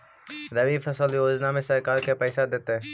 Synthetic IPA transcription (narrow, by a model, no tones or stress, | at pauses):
ɾɐbifʰɐsəljoːd͡ʒnamẽsɐɾkaːɾkepɛːsad̪eːt̪eɦɛ̃